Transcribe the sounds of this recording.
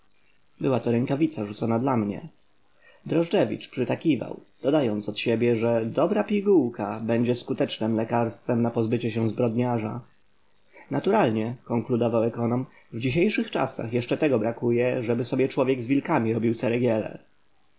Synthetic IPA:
bɘwat̪ɔɾɛŋkavʲit̪saʐut̪sɔnad̪lamɲɛ̰ | d̪ɾɔʐɖɛvʲḭt͡ʂpʂɨt̪akʲiva̰wd̪̥ɔd̪ajɔnt̪sɔt̪ɕebʲjɛʐɛd̪ɔbɾapʲiɡuwkabɛɲd͡ʑɛskut̪ɛt͡ʂnɘmlɛkaɾst̪fɛmnapɔzbɘt͡ɕɛɕɛzbɾɔd̪ɲaʐa̰ | nat̪uɾalɲɛkɔŋklud̪ɔvawɛkɔnɔm | vd͡ʑiɕ̬ejʂɘxt͡ʂa̰sa̰xjɛʂt͡ʂɛt̪ɛɡɔbɾakujɛʐɛbɘsɔbʲjɛt͡ʂwɔvʲjɛɡzvʲilkamʲiɾɔbʲiwt̪sɛɾɛɡʲjɛlɛ̰

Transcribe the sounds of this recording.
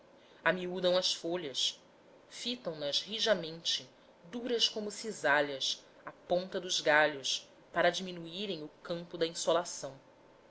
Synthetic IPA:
amiud̪ɐ̃w̃ɐsfoʎɐs | fit̪ɐ̃w̃nɐzhiʒɐmẽnt͡ʃɪ | d̪uɾɐskõmʊsizaʎɐs | apõnt̪ɐd̪ʊzɡaʎʊs | paɾɐd͡ʒiminuiɾẽj̃ʊkɐ̃mpʊd̪ɐĩsolasɐ̃w̃

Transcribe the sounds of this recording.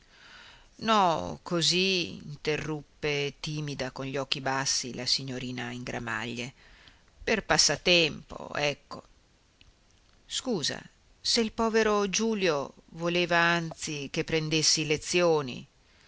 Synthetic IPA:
nɔkʰoziḭnt̪erːupːet̪iːmid̪akonʎɔk̟ːibasːilasiɲːoɾiːnaiŋɡɾa̰ma̰ʎːe | perpasːat̪ɛmpo̰ɛkːo̰ | skuːza̰ | seilpɔːveɾod͡ʒuːljovoleːvaant̪sikepːɾend̪esːilet̪sːjoːnḭ

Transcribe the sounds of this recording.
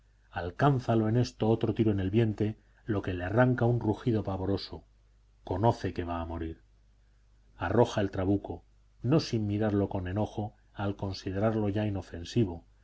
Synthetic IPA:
alkanθaloe̞ne̞st̪o̞ot̪ɾo̞t̪iɾoene̞lβje̞nt̪e̞ | lo̞ke̞learaŋkaunruxiðo̞paβo̞ɾo̞so̞ | ko̞no̞θe̞ke̞βaːmo̞ɾiɾ | aro̞xae̞lt̪ɾaβuko̞ | no̞simmiɾaɾlo̞ko̞ne̞no̞xo̞ | alko̞nsið̞e̞ɾaɾlo̞ʝaino̞fe̞nsiβ̞o̞

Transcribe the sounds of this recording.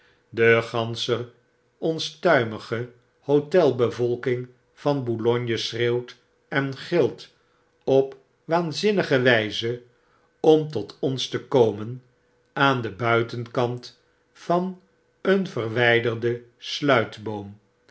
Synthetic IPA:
dəχɑnsə | ɔnstœɥməχə | hotɛlˠbəvɔlˠkɪŋ | v̥ɑnbolɔɲjəsreːwt | ɛnχɪlˠt | ɔp | ʋaːnzɪnəχəʋɛjzə | ɔmtɔtɔnstəkowmən | aːndəbœɥtənkɑnt | fɑn | ənvərʋɛjdərdəslœɥtbowm

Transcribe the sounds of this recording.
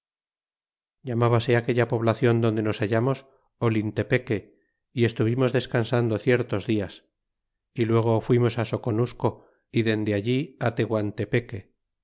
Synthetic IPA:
ɟ͡ʝamaβase̞ake̞ʎapo̞βlaθjo̞nd̪ond̪e̞no̞saʝamo̞s | olint̪e̞pe̞ke̞ | ie̞st̪uβimo̞zðe̞skansand̪oθje̞ɾt̪o̞zðias | ilwe̞ɣ̞o̞fwimo̞saso̞ko̞nusko̞ | iðe̞nd̪eaʎiat̪e̞ɣwant̪e̞pe̞ke

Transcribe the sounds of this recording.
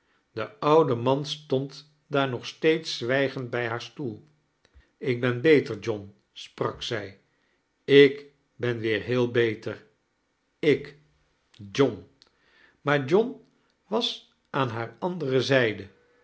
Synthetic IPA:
d̥əʌwdəmɑnstɔnt | daːɹnɔχstejtsʋɛjχəndbɛjɦaːɹstulˠ | ɪɡ̚bɛnbejtəɹd͡ʒɔn | sprɑksɛj | ɪk | bɛnʋɪːɹɦɪːlˠbejtəɹ | ɪk | d͡ʒɔn | maːɹd͡ʒɔn | ʋɑs | ʔaːnɦaːɹɑndərəzɛjdə

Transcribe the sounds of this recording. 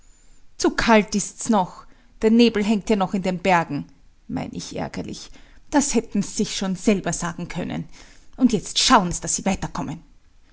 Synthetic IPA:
t͡sukʰaltɪstsnɔx | d̥eːɐneːbl̩ɦɛŋktjaːnɔxɪndeːnbɛɐɡŋ̩ | ma̰ɪnɪçʔɛ̰ɐɡɐ̰lɪ̰çd̥ashɛtn̩ziz̥ɪçʃoːnz̥ɛlbɐz̥aːɡŋ̩kʰœnə̰nʔʊntjɛt͡stʃaʊənsid̥asz̥iːvaɪtɐkʰɔmən

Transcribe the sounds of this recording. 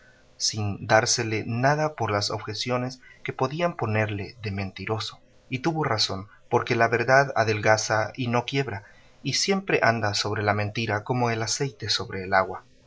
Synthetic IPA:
sind̪aɾse̞le̞naðapo̞ɾlaso̞̰βxe̞sjo̞ne̞ske̞po̞ðiampo̞ne̞ɾle̞ðe̞mẽ̞nt̪iɾo̞so̞̥ | it̪uβo̞raso̞n | po̞ɾke̞laβe̞ɾðaða̰ðe̞lɣasaino̞kje̞βɾa | isje̞mpɾe̞ʔand̪aso̞βɾe̞lamẽnt̪iɾako̞mo̞e̞lase̞jt̪e̞so̞βɾe̞ːlaɣwa

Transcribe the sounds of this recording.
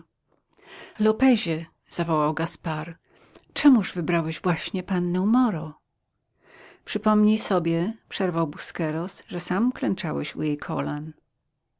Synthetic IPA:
lɔpɛʑɛ | z̥avɔwawɡaspaɾ | t͡ʂɛmuʐvɘbɾawɛʑvwaɕɲɛpanːɛwmɔɾɔ | pʂɘpɔmɲisɔbʲjɛpʂɛɾvawbuskɛɾɔsʐɛsamklɛnt͡ʂawɛɕṵjejkʰɔ̰lan

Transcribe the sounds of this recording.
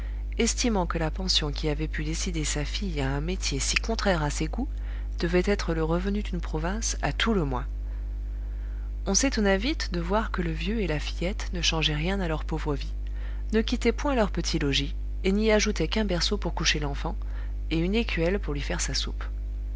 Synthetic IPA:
ɛst̪imɑ̃kəlapɑ̃sjɔ̃kʲiavɛpyd̪esid̪esafijaɛ̃met̪jesikɔ̃t̪χɛʁaseɡu | d̪̥əvɛt̪ɛt̪χələʁəvənyd̪ynpχɔvɛ̃s | a̰t̪ʰuləmwɛ̰̃ | ɔ̃set̪ɔnavit̪d̪əvwaʁkələvjøelafijɛt̪nəʃɑ̃ʒɛʁjɛ̃nalœʁpovʁəvi | nəkʲit̪ɛpwɛ̃lœʁpət̪ʰilɔʒi | eniaʒut̪ɛkɛ̃bɛʁsopuʁkuʃelɑ̃fɑ̃ | eynekʲɥɛlpuʁlɥifɛʁsasup

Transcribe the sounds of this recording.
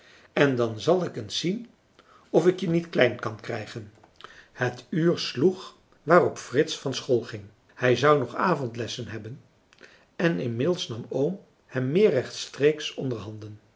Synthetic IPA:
ɛndɑnzɑlˠɪkənsːin | ɔfɪkjənitklɛjnkɑnkrɛjχən | hətyːɹsluχ | ʋaːrɔpfrɪtsfɑnsχoːlˠχɪŋ | hɛjzɑwnɔχaːvɔntlɛsənɦɛbən | ɛnɪnmɪdlˠsnɑmowm | hɛmːɪːɹɛχtstreːksɔndəɹɦɑndən

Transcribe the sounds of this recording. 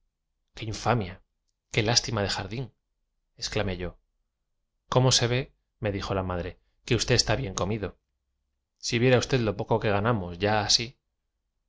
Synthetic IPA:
keiɱfamja | ke̞last̪imað̞e̞xaɾðiŋ | e̞sklame̞ʝo̞ | ko̞mo̞se̞β̞e̞ | me̞ðixo̞lamaðɾe̞ | ke̞ust̪e̞est̪aβje̞ŋko̞miðo̞ | siβje̞ɾaust̪e̞ðlo̞po̞ko̞ke̞ɣanamo̞zʝaːsi

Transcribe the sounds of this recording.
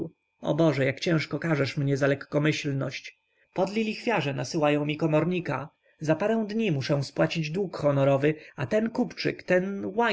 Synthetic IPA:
ɔ̰bɔʐɛjakt͡ɕɛ̃ʂkɔkaʐɛʂmɲɛzalɛkːɔmɘɕlnɔɕt͡ɕ | pɔd̪lʲilʲixfʲjaʐɛnasɘwajɔ̃w̃mʲikɔmɔɾɲika | zapaɾɛ̃w̃d̪ɲimuʂɛ̃spwat͡ɕid͡ʑd̪wukxɔnɔɾɔvɘat̪ɛnkupt͡ʂɘ̰kt̪ɛnwa

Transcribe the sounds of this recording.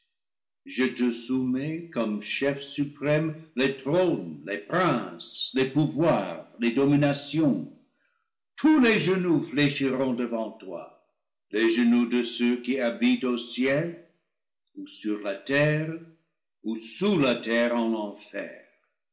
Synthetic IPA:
ʒətəsumɛkɔmʃɛfsypʁɛmletʁomlepɾɛ̃slepuvwaʁledominasjɔ̃ | tʰuleʒənufleʃiʁɔ̃dəvɑ̃twa̰ | leʒənudəsøkiabitosjɛl | usyʁlatɛʁ | usulatɛʁɑ̃lɑ̃fɛ̰ːʁ

